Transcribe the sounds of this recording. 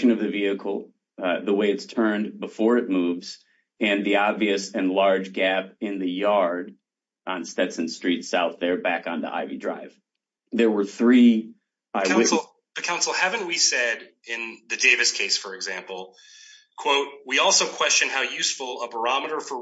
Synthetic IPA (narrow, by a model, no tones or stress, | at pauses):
ʃɨ̃nʌvðɨviɨkʰl̩ˠ | ðəweɪɨtstʰɜ̃˞nbəfɔɹɨt̚muvz̥ | ɨ̃nðiɑbviɨsɨ̃nlɑɹd͡ʒɡæpɪ̃nðɨjɑɹɾ | ʔn̩stɛtsɨ̃nstɹ̥itsaʊθðə˞bækn̩ðḭʔa̰ɪvḭdɹa̰ɪv̥ | ðə˞wə˞θɹi | aɪ | ðɨkʰãʊ̃nsl̩ˠhævɨ̃nwisɛɾ | ɪ̃nðɨdeɪvɨskʰeɪsfə˞ɨɡzæ̃mpl̩ˠ | kʰw̥oʊt̚wiɔlˠsoʊkʰw̥ɛst͡ʃɨ̃nhaʊjʉsfl̩ˠəbə˞ɑməɾə˞fə˞